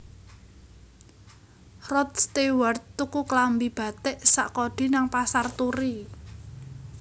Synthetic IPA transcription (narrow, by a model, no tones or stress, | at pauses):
rɔt̪̚st̪ewart̪ːukuklambib̥a̤t̪ɪʔsaʔkɔɖ̥i̤naŋpasart̪uɾi